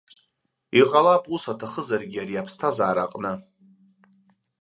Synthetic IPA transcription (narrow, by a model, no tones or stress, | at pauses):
iqʼalapʼusatʰaχəzarɡʲiaɾiapʰstʰazaːɾaqʼnɨ